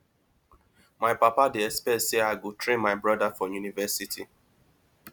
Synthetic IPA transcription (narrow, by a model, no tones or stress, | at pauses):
maɪpapadeɛspɛseaɡotɾẽmaɪbɾɔdafɔjunivɛsitʰi